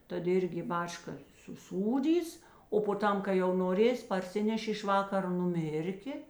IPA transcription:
ˈtɐt ˈɪrʲɡʲɪ ɪ ˈbɑːt͡ʃkɐ sʊˈsuːdʲiːs oː poː ˈtɐm kɐɪ jɛʊ noːˈrʲeːsʲ pɐrʲˈsʲɪnʲɛʃʲeː ɪʃ ˈʋɑːkɐroː nʊˈmʲɪrʲkʲeː

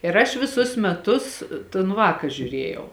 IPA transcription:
ɪr ˈɐʃ ʋʲɪˈsʊs mʲɛˈtʊs toːn ˈʋɑːkɐ ʒʲʊˈrʲeːjɛʊ

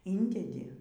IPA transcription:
ˈɪnʲdʲɛdʲɪ

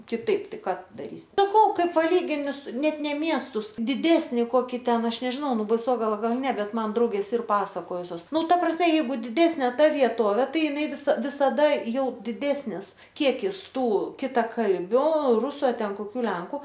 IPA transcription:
kʲɪˈtɐɪp ˈtɐɪ ˈkɑː ˈtʊ dɐˈrʲiːsʲɪ sɐˈkɐʊ ˈkɐɪ pɐˈlʲiːɡʲɪnʲɪ sʊ ˈnʲɛt ˈnʲɛ ˈmʲiɛstʊs dʲɪˈdʲæːsʲnʲɪ ˈkoːkʲɪ ˈtʲɛn ˈɐʃ nʲɛʒʲˈɪnɐʊ ˈnʊ bɐɪˈsoːɡɐlˠɐ ˈɡɐlˠ ˈnʲɛ ˈbʲɛt ˈmɐn ˈdrɐʊɡʲeːs ˈɪr ˈpɑːsɐkoːjʊsʲoːs ˈnʊ ˈtɐ prɐsʲmʲɛ jɛɪˈɡʊ dʲɪˈdʲæːsʲnʲeː ˈtɐ ʋʲiɛˈtoːʋʲeː ˈtɐɪ ɪˈnɐɪ ʋʲɪˈsɐ ʋʲɪsɐˈdɐ ˈjɛʊ dʲɪˈdʲæːsʲnʲɪs ˈkʲiɛkʲɪs ˈtuː kʲɪtɐˈkɐlʲbʲʊ ˈrʊsʊ ɐ ˈtʲɛn koːˈkʲuː ˈlʲɛŋkʊ

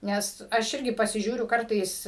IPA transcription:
ˈnʲɛs ɐʃ ˈɪrʲɡʲɪ pɐsʲɪˈʒʲuːrʲʊ ˈkɐrtɐɪs

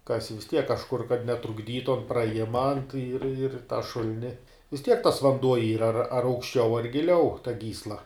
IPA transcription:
ˈkɑːsʲɪ ʋʲɪs ˈtʲiɛk kɐʃˈkʊr kɐt nʲɛtrʊɡˈdʲiːtʊ ɐn prɐˈjɪmɐ ɪr ɪr tɑː ˈʃʊlʲnʲɪ ʋʲɪs tʲiɛk tɐs ʋɐnˈduɔ ˈiːrɐ ɐr ɐr ɐʊkʃʲˈt͡ʃʲɛʊ ɐr ɡʲɪˈlʲɛʊ tɐ ˈɡʲiːslˠɐ

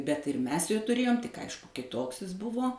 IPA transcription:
bʲɛt ɪr ˈmʲɛs joː tʊˈrʲeːjoːm tʲɪk ˈɐɪʃkʊ kʲɪˈtoːks ɪs ˈbʊʋoː

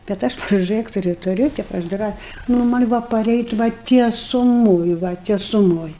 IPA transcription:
bʲɛt ˈɐʃ proːˈʒɜktʊrʲʊ tʊˈrʲʊ ˈtʲeːp ɐʃ ˈdrɑː nʊ ˈmɐnʲ ˈbʊʋoː pɐˈrʲɛɪtʲ ʋɐ tʲiɛsʊˈmoːj ʋɐ tʲiɛsʊˈmoːj

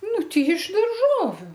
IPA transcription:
ˈnʊ ˈtʲɛɪ ɪʃ dɐrˈʒoːʋʲʊ

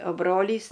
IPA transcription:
oː ˈbroːlʲiːs

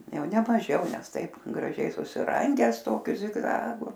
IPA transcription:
ˈjɛʊ nʲɛ mɐˈʒʲɛʊ ˈnʲɛs ˈtɐɪp ɡrɐˈʒʲɛɪ sʊsʲɪˈrɐŋʲɡʲæːs ˈtoːkʲʊ zʲɪɡˈzɑːɡʊ

